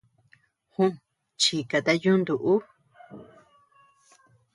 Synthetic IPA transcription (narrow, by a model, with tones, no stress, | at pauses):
hũ˦ | t͡ʃi˧ka˨t̪a˧jũ˦nd̪u˨ʔu˦